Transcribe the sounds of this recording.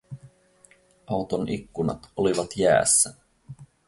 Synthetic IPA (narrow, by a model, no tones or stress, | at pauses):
ɑwt̪onʔikːunɑ̰t̪oliʋɑt̪jæ̰ːsːæ